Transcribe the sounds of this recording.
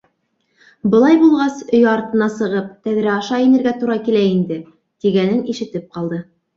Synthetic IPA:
bɤ̆lˠɑjbulˠʁɑsɵjɑɾt̪ɤ̆nɑsɤ̆ʁɤp̚t̪æðɾæɑʃɑinɘ̆ɾɡæt̪uɾɑkilæind̪ɘ | t̪iɡænɘniʃɘ̆t̪ɘp̚qɑlˠd̪ɤ

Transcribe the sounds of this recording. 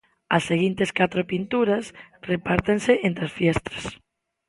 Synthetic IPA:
ɐsːeɣint̪eskat̪ɾopint̪uɾɐsrepaɾt̪enseʔent̪ɾasfjɛst̪ɾḁs

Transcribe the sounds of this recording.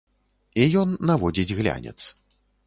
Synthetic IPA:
ijɔnːavɔd͡zʲid͡zʲɣlʲa̰nʲɛ̰t̪s

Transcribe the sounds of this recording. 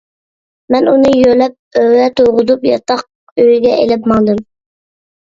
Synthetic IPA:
mɛnunɨjølɛp̚øwɛt̪ʰoʁʊd̪upjɑ̰t̪ɑq̚ | øjɡʲɛelɪpmɑŋd̪ɨm

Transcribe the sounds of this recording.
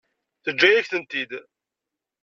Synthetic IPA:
θəd͡ʒːæjæçθənt̪id̪

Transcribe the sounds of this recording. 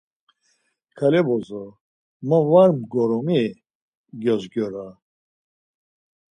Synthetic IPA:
kʰalɛbɔzɔ | məvaɾmɡɔɾɔmi | ɡjɔzɡɔɾa

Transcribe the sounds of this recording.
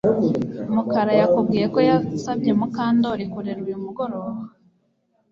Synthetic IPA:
mukaɾajakub̚ɡiːje̞ko̞jasabɟe̞mukaːndo̞ɾikuɾeɾujumuɡo̞ɾo̞βa

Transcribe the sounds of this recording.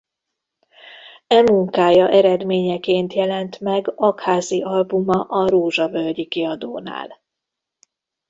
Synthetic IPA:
ɛmuŋkaːjɒʔɛɾɛd̪meːɲɛkeːnt̪jɛlɛnt̪mɛɡɒkhaːziʔɒlbumɒʔɒɾoːʒɒvølɟikiɒd̪oːna̰ːl

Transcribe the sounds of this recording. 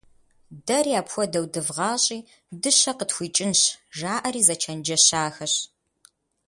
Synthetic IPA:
dɐriaːpxʷɔdɐwdɨvʁɑːɕʼiː | dɨɕɐqətxʷiːt͡ʃʼɪnɕʒaːʔɐɾiːzɐt͡ʃʰɐnd͡ʒɐɕaːxɐɕ

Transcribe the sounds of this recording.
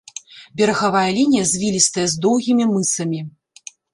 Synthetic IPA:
bʲɛɾɐɣavajɐlʲinʲijɐzʲvʲilʲist̪ɐjɛzd̪ɔwɣʲimʲimɨsɐmʲi

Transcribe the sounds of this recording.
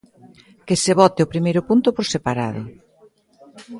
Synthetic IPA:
keseβɔt̪ɪʊpɾimejɾʊpunt̪ʊpoɾsepaɾa̰ðʊ̰

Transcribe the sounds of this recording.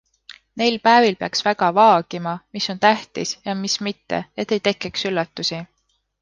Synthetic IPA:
ne̞jlpæevilpeɑksvæɡ̥ɑvɑːɡ̥imɑmisːo̞nt̪æht̪isjɑmismit̪ːe̞̰et̪ːˑe̞jt̪e̞kːˑeksylːɑt̪ːusi

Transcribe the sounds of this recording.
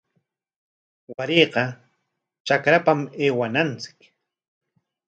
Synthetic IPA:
waɾeːqɑ | t͡ʃakɾapameːwanant͡sɪ̥k

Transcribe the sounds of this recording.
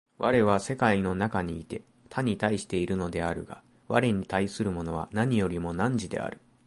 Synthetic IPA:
βʔaɾe̞βase̞kaino̞nakaɲ̟iːt̪e̞ | t̪ʰaɲ̟it̪aiɕi̥t̪e̞iɾɯ̟no̞d̪e̞aɾɯ̟̰ɡ̥a̰ | βa̰ɾe̞ɲ̟it̪aisɨɾɯ̟mo̞no̞βa̰naɲ̟ijo̞ɾʲimo̞nãɲ̟d͡ʑid̪e̞̰a̰ɾɯ̟

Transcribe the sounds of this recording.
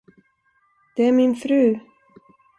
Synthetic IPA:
d̪̥ɛæɾmɪnfɾʉ̟ː

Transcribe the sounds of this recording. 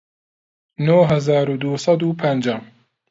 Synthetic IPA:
noɦɐzaːɾud̪usˤɑd̪uːpʰɐnd͡ʒaːm

